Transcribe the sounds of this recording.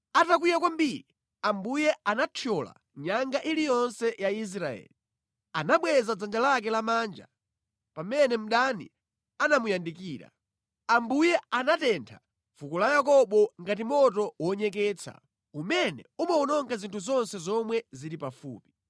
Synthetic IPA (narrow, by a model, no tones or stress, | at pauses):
atak̬wijakwambiːɾi | ambujɛanatʰjɔla̰ | ɲaŋɡaʔilijɔnsɛjais̬ɾaɛ̰ːli | anaɓwɛzad͡zand͡ʒalak̬ɛlamaːnd͡ʒa̰ | pamɛnɛm̩ɗanḭ | anamujandikiːɾa̰ | ambujɛanatɛntʰa | fukulajakɔɓɔŋɡat̬imɔtɔwɔɲɛkɛːt͡sʰa̰ | umɛnɛ̰umaɔnɔŋɡazintʰuzɔnsɛzɔmwɛziɾipafṵːpi̥